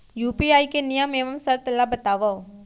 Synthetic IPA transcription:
juːpiaːikenijəmeːʋəmsɐɾt̪ɐlabət̪aːʋa

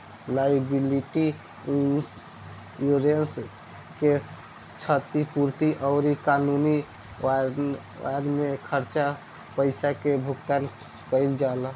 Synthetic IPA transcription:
lajbiliʈi | s | juɾens | ke | t͡ʃʰət̪ipuɾt̪iʔɔʊɾikanuni | a̰ɾmekʰəɾt͡ʃa | pəɪsakebʱuɡt̪an | kəjld͡ʒal

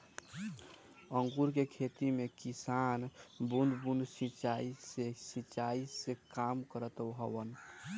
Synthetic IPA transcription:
ə̃ŋɡuɾkekʰet̪imekisanbund̪bund̪sĩt͡ʃaisesĩt͡ʃaisekamkəɾət̪əwɦəwən

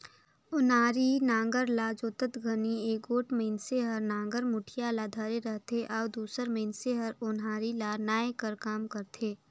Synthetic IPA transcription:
ʊnaːɾinãːŋɡəɾlaːd͡ʒoːt̪ət̪ɡʱənieːɡoːʈmeːnseɦəɾnãːŋ̆ɡəɾmʊʈʰijalaːd̪ʱaːɾeɾəɦt̪eʔɔːd̪uːsəɾmẽːnseɦəɾʊnɦaːɾilaːɾnaːekəɾkaːmkəɾt̪ʰeː

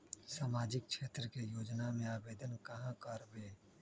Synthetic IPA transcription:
saːmaːd͡ʒɪk̚t͡ʃʃʰeːt̪ɾəkejoːd͡ʒnamẽaːʋeːd̪ənkɐɦãkəɾbeː

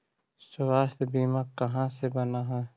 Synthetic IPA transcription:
sʊwaːst̪biːmakɐɦãsebɐnaɦɛ̃ː

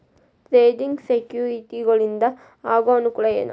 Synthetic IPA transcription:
t̪ɾeːdiŋɡsekjuːɾiʈ̪ːiɣɐɭind̪ɐ | aːɡaːnukːuɭɐjɐ̰nɐ̰

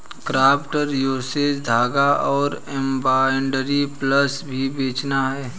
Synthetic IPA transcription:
kɾaːpʈəɾjoːsed͡ʒd̪ʱaːɡaʔɔːɾɛ̃mbaːɪɳɖəɾipləsbʱibeːt͡ʃnaɦɛː

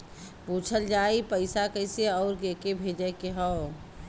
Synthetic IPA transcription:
puːt͡ʃʰəld͡ʒaːipəɪsakəɪseɔːɾɡeːkebʱeːd͡ʒəkeɦɔː

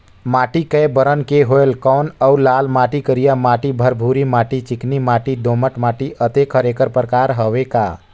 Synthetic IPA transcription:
maːʈikəjbəɾənkeɦoelkɔːnəulaːlmaːʈikəɾijamaːʈibʱəɾbʱuɾimaːʈit͡ʃɪknimaːʈiɖ̪oməʈmaʈiʔət̪ekʰəɾekəɾpɾkaɾɦəʋeka̰

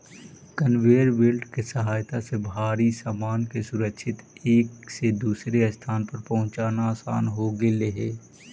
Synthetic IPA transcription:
kənweːɾʋeːlʈkesəɦaːjt̪asebʱaːɾisaːmaːnkesʊɾəkʃʰɪt̪eːksed̪uːsɾeəst̪ʰaːnpɐɾpɐɦʊ̃t͡ʃaːnaaːsaːnɦoɡeleɦeː

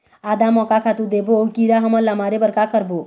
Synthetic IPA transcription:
ad̪amɔkakʰat̪ud̪ebookiɾaɦʌmʌlːamaɾebʌɾkakʌɾbo

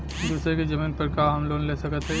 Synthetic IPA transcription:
d̪uːsɾeked͡ʒəmiːnpəɾkaɐmloːnlesəkət̪ɦɛ

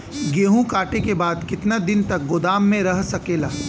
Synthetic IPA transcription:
ɡeːɦũkaːʈekebaːd̪kɪt̪nad̪ɪnt̪ɐk̚ɡʊd̪aːmːẽɾɐɦsɐkeːlaː

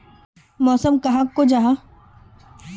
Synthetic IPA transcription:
mɔːsəmkɐɦãkod͡ʒaːɦa

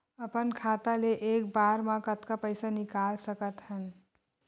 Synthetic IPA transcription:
əpənkʰat̪aleʔekbaɾmãkət̪kapəjsanikalsəkət̪hən

